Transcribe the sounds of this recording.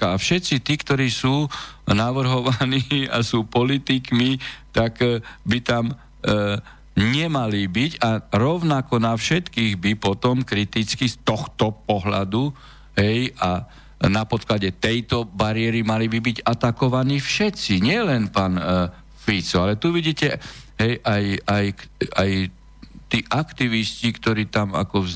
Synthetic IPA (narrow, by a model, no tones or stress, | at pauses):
aafʃɛtt͡sit̪iːkt̪ɔɾiːsuːnaʋr̩ɦɔʋaniːa̰suːpɔlit̪ikmit̪aɡbit̪am | ɲɛmalibiɟaɾɔʊnakɔnafʃɛt̪kiːɣbipɔt̪ɔmkɾit̪it͡skist̪ɔxt̪ɔpɔɦla̰d̪u | ɦɛjʔa | napɔt̪klaɟɛt̪ɛjt̪ɔbaɾɪɛɾimalibibiɟat̪akɔʋaniːfʃɛt͡siɲɪɛlɛnpaːn | fit͡sɔalɛt̪uʋiɟiːcɛɦɛjʔajajkaj | t̪iːʔakt̪iʋiscikt̪ɔɾiːt̪ama̰kɔ